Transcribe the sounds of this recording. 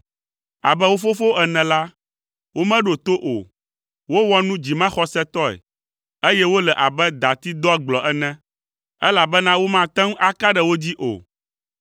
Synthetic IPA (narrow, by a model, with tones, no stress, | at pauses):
a̰˨bɛ˦wo˦fo˦fo˦ɛ˨nɛ̃˨la˦ | wo˦mɛ̃˦ɖo˨t̪o˦ʔo̰˨ | wo˦wɔ˦nũ˦d͡ʑi˨mã˦xɔ˦sɛ˦t̪ɔ˦ɛ̰˨ | e˦jɛ˦wo˦lɛ˨ʔa˨bɛ˦d̪a˨t̪i˦d̪ɔ˦˨ɡ͡blɔ˨ʔɛ˦nɛ̃˦ | ɛ˦la˨bɛ˦nã˦wo˦mã˦t̪ɛ̃˦ŋ˦ʔa˦ka˦ɖɛ˨wo˦d͡ʑi˦ʔo̰˨